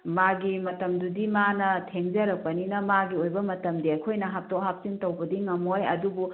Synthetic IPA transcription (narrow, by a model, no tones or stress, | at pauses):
maɡimɐtɐmdudimanɐtʰeŋd͡ʒɐɾɐk̚pɐninɐmaɡiojbɐmɐtɐmdiɐjkʰojnɐɦap̚towɦap̚sintɐwbɐdiŋɐmojɐ̰dubu